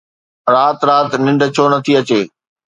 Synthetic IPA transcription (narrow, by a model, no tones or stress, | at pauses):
ɾaːt̪ɾaːt̪nɪ̃ɳɖʱt͡ɕʰoːnɐt̪ʰiɐt͡ɕeː